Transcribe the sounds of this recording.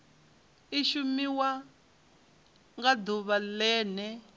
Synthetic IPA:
iʃumiwa | ŋɡad̪uβalɛːnɛ

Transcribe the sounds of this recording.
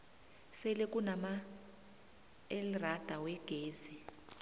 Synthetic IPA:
sɛlɛkʼunama | ɛlrad̥ʱawɛɡ̥ʱeːzi

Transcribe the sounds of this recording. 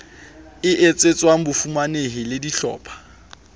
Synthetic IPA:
ɪʔet͡sʼet͡sʼwaŋ̩bʊfumaneɦɪlɪdiɬɔ̰ːpʰḁ

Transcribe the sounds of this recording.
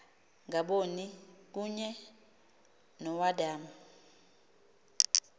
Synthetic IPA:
ŋaɓonik̬uɲɛ | nɔwadaːma

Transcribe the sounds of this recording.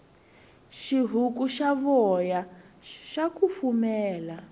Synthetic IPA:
ʃiɦukuʃaβɔja | ʃakufumɛːla

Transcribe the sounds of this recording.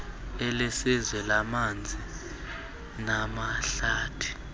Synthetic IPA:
ɛlɛsizwɛlamand͡zʱi | namaɬaːtʰi̥

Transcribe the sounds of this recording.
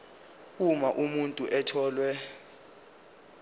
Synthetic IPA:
k̬umaʔumuntʼuʔɛtʰɔːlwɛ

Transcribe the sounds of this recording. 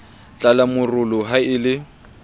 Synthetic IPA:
t͡ɬʼalamʊrʊlʊɦaɪlɪ

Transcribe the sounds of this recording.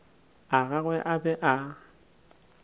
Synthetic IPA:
aɣaɣwɛʔabɛʔa

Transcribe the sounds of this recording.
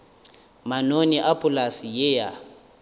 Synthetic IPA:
manoniʔapʼulasijɛja

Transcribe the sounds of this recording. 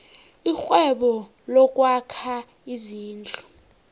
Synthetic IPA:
ixwɛɓɔ | lɔk̬ʼwakʰa | iziːnd͡ɮʱu

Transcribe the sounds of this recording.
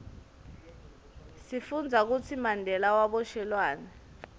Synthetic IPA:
sifund͡zʱak̬ut͡sʰimandʱɛlawaɓɔʃɛlwaːnɛ

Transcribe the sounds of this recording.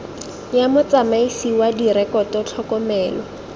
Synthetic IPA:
jamʊt͡samaisiwadiɾɛkɔtɔt͡ɬʰɔkɔmɛːlɔ

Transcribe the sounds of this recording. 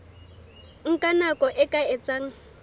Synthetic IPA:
ŋ̩kʼanakʼɔʔɪkʼaɛt͡sʼaːŋ̩

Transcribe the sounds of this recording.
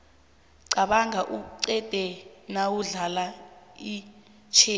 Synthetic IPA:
ǀaɓaŋaʔuǀɛd̥ʱɛnawuɮalai | t͡ʃʰeː

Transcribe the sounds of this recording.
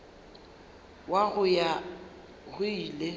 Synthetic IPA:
waɣʊja | ɣʊile

